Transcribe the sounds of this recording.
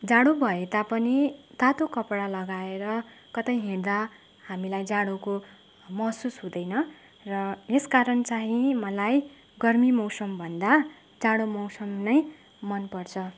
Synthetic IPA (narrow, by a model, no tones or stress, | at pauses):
d͡zaɽobʱʌet̪apʌnit̪at̪okʌpɽalʌɡaeɾʌ | kʌt̪ʌjɦird̪a | hamilajd͡zaɽoko | mʌɦsusɦũd̪ʌjnʌ | rʌeskaɾʌnt͡saɦĩmʌlaj | ɡʌrmimʌwsʌmbʱʌnd̪a | d͡zaɽomʌwsʌmnʌj | mʌnpʌrt͡sʰʌ